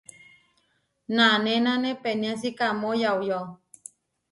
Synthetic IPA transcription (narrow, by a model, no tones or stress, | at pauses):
nanenãnẽpenĩãsikamojawjo